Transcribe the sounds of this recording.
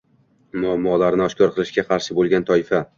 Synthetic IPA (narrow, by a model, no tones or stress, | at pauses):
mʊamːɒlaɾnɪɒʃkʲʰɒɾqʰɨlˠɪʃɡʲaqʰɑɾʃɪbolˠɡʲant̪ʰɒɪfa